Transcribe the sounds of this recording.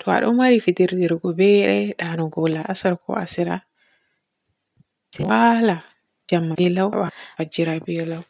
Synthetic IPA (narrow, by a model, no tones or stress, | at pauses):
tʰɔa̰ɗɔmmaɾifidiɾdɛɾɡɔbɛɗɛɗanɔɡɔlaʔasaɾkʰɔ̰a̰siɾa̰ | sɛwala | d͡ʒamːaɛlawɓafad͡ʒiɾabiɔlaw